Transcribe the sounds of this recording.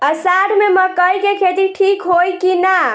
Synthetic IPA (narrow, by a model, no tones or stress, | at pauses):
əsaɾmeməkəjkekʰet̪iʈʰikɦojkina